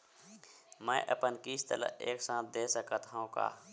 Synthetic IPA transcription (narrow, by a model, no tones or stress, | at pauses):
mɛ̃ːʔəpənkiːst̪ələ̰eːksãːt̪̚ʰd̪eːsəkət̪ʰõka̰ː